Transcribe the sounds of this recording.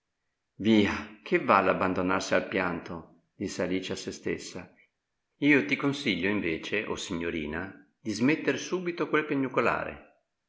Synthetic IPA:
viːak̟ʰevalːabːand̪onarsialpjant̪o | d̪̥isːealiːt͡ʃasest̪ḛsːa | iːot̪ikonsiʎːoiɱveːt͡ʃeʔo̰siɲːoɾḭːna | d̪̥izmet̪ːeɾsuːbit̪okwelpeɲːukola̰ːɾḛ

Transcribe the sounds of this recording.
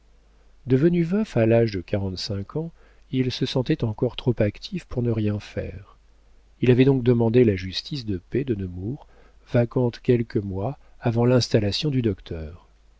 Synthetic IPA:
d̪əvənyvœfalaʒd̪əkaʁɑ̃t̪sɛ̃kʰɑ̃ | ilsəsɑ̃t̪ɛt̪ɑ̃kɔʁt̪χɔpakt̪ʰifpuʁnəʁjɛ̃fɛ̰ʁ | ilavɛd̪ɔ̃k̚d̪əmɑ̃d̪elaʒyst̪isd̪əped̪ənəmuʁ | vakɑ̃t̪kʲɛlkəmwa | avɑ̃lɛ̃st̪alasjɔ̃d̪yd̪ɔkt̪ʰœːʁ

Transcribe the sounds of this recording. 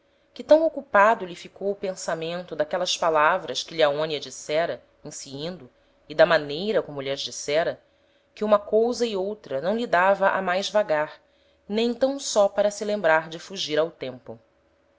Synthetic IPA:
kɪt̪ɐ̃w̃okupad̪ʊlifikowʊpẽsamẽnt̪ʊd̪akɛlɐspalavɾɐʃkɪʎaõniɐd͡ʒisɛɾɐ | ĩsiĩnd̪ʊ | id̪ɐmanejɾɐkõmʊʎɐzd͡ʒisɛɾɐ | kɪũmɐkowzɐiowt̪ɾɐnɐ̃w̃lid̪avɐʔa̰majzvaɡaɾ | nẽj̃t̪ɐ̃w̃sɔpaɾɐsɪlẽmbɾaɾd͡ʒɪfuʒiɾawt̪ẽmpʊ

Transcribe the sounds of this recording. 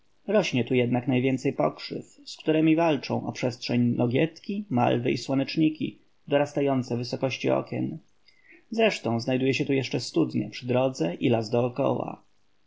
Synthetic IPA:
ɾɔɕɲɛt̪ujɛd̪naknajvʲjɛnt̪sɛjpɔkʂɘ̰fskt̪uɾɛmʲivalt͡ʂɔ̃w̃ʔɔpʂɛstʂɛɲnʔɔɡʲɛt̪kʲima̰lvɘʔiswɔnɛt͡ʂɲikʲḭ | d̪ɔɾast̪ajɔnt̪sɛvɘsɔkɔɕt͡ɕiɔ̰kʲjɛ̰n | zɾɛʂt̪ɔ̃w̃znajd̪ujɛɕɛt̪ujɛʂt͡ʂɛst̪ud̪ɲɛ̰pʂɘd̪ɾɔd̪zɛʔilazd̪ɔːkɔ̰wa̰

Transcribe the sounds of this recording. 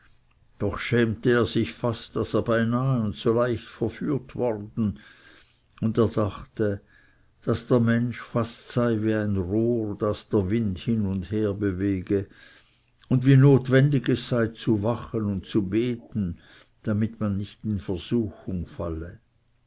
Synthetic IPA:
d̥ɔχʃɛːmtəeːɐz̥ɪçfastd̥aseːɐbaɪnaːəʊnt͡solaɪçtfɛɐfyːɐtvɔʁdn̩ | ʊndeːɐdaχtə | d̥asd̥eːɐmɛnʃfastsaɪviːaɪnʁoːʁd̥asd̥eːɐvɪndhɪnʊndheːɐbəveːɡə | ʊndviːnoːtv̥ɛndɪɡɛsːaɪt͡suvaχənʊnt̚t͡subeːtn̩ | d̥amɪtmanːɪçtɪnfɛɐz̥uːxʊŋfa̰lə

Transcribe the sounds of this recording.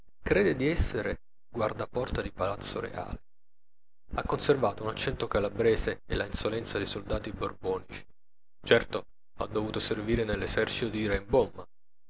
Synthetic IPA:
kɾeːd̪ed̪iɛsːeɾe | ɡward̪apɔrt̪ad̪ipalat̪sːoɾḛa̰ːle | akːonservaːt̪ounat͡ʃːɛnt̪okalabɾeːsḛːlainsolɛnt̪sad̪ejsold̪aːt̪iborbɔːnit͡ʃi̥ | t͡ʃɛrt̪o | a̰d̪ːovuːt̪oserviːɾenelːesɛrt͡ʃi̥t̪od̪iiːɾaimbɔmːa

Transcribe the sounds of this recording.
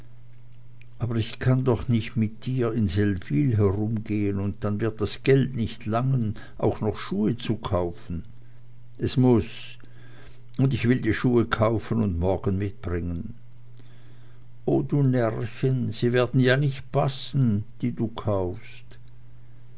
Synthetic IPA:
ʔaːbɐʁɪçkʰandɔχnɪçtmɪt̚d̥iːɐɪnzɛlviːlɦɛʁʊmɡeːənʊnt̚d̥anvɪɐt̚d̥asɡ̥ɛltnɪçtʰlaŋən | ʔa̰ʊxnɔχʃuːət͡sukʰaʊfn̩ | ʔɛsmʊs | ʊndɪçv̥ɪldiːʃuːəkʰaʊfənʊntmɔɐɡən̩mɪt̚b̥ʁɪŋən | ʔoːduːnɛʁçənz̥iːveːɐdn̩jaːnɪçt̚pʰasn̩d̥iːduːkʰaʊfst

